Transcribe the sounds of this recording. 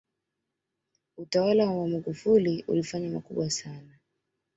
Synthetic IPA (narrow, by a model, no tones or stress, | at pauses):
utawalawawamaɠufuliṵlifaɲamakuɓwasana